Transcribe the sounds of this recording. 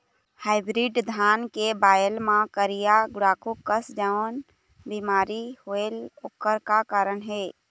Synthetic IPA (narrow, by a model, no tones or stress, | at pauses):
haːɪbɾiɖd̪ʱaːnkebaːjəlmãkəɾijaɡʊɽaːkukəsd͡ʒaən | bimaːɾihoeloːkːəɾkakaːɾənɦeː